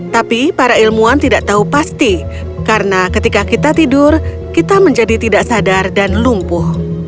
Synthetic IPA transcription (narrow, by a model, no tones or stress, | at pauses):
t̪apipaɾailmuant̪idaʔt̪aɦupast̪i | kaɾənakət̪ikakit̪at̪idʊr | kit̪aməɲd͡ʒadit̪idaʔsadardanlumpʊh